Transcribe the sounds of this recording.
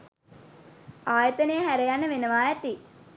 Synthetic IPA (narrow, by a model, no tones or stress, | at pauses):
aːjət̪ənəjəɦæɾejanːəʋenəʋaːæt̪i